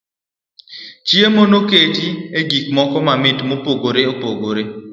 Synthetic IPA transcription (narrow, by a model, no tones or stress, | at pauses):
t͡ʃjemonoketieɡikmɔkɔmamɪtmopoɡoɾeopoɡoɾe